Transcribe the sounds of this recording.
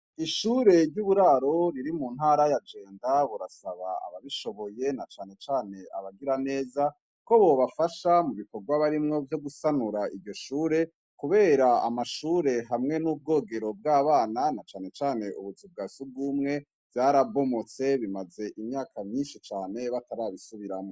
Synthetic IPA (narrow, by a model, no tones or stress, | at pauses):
iʃuːɾe̞ɾɟuβuɾaɾo̞ɾiɾimunhaːɾajad͡ʒe̞ːndaβuɾasaβa̰a̰βaβiʃo̞βo̞je̞nat͡ʃaːne̞t͡ʃaːne̞a̰βaɡiɾane̞ːza | ko̞βoβafaʃamuβiko̞ɡwaβaɾimŋo̞vjo̞ɡusanuɾaijo̞ʃuːɾe̞ | kuβe̞ːɾaa̰maʃuːɾe̞ɦamŋe̞nub̚ɡo̞ːɡe̞ɾo̞b̚ɡaːβaːnanat͡ʃaːne̞t͡ʃaːne̞ʔuβuzib̚ɡaːsuɡumŋe̞ | vjaːɾabo̞mo̞t͡se̞βimaze̞ʔimɲaːkʰamɲiːnʃit͡ʃaːne̞βataɾaβisuβiɾamŋo